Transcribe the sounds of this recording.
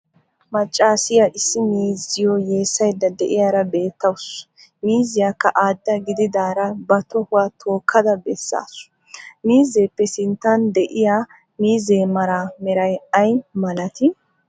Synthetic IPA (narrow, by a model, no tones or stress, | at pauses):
mɐt͡ʃʼːaːsɪjaʔɪsːɪmiːzɪjɔje̞ːsːɐjd̪ːɐd̪ɛʔɪjaːɾɐbe̞ːt̪ːɐwʊs | miːzɪjaːkːɐʔaːd̪ːɐɡɪd̪ɪd̪aːɾɐbɐt̪ɔhʊwaːt̪ʰo̞ːkʰːɐd̪ɐbɛsːa̰ːsʊ̥ | miːzeːpːɛsɪnt̪ːɐnd̪ɛʔɪjaː | miːzeːmɐɾaːmɛɾɐjɐjmɐlɐt̪ɪ